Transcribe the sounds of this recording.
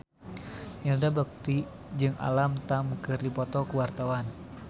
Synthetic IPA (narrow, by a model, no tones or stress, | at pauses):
jaŋdabuk̚t̪i | d͡ʒɨŋa̰lamt̪amkɨrdipɔt̪ɔkəwart̪awan